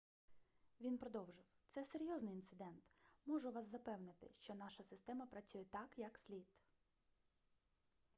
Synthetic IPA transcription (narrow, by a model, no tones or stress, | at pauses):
ʋʲinpɾɔd̪ɔwʒɪwt̪sɛseɾʲjɔznɪjint̪sɪd̪ɛnt̪mɔʒʊʋɑszɐpɛwnɪt̪ɪ̰ʃt͡ʃɔnɑʃɐsɪst̪ɛmɐpɾɐt͡sʲujɛt̪ɑkjɐksʲlʲit̪